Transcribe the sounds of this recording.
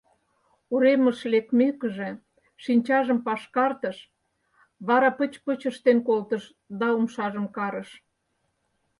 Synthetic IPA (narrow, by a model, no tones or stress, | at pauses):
uɾeməʃlek̚mekəʒĕ | ʃinʲt͡ɕɑʒəmpɑʃkɑrt̪əʃ | βɑɾɑpət͡ɕpət͡ɕəʃt̪enkolt̪əʃ | d̪ɑumʃɑʒəmkɑɾəʃ